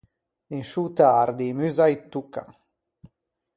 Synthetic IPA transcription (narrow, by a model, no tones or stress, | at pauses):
dinʃut̪aːɾd̪imyzajt̪ːuka̰